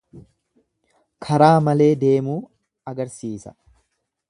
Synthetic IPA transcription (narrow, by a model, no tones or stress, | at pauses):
kʰɐɾaːmɐle̞ːd̪e̞ːmuː | ɐɡɐɾsiːsɐ̥̰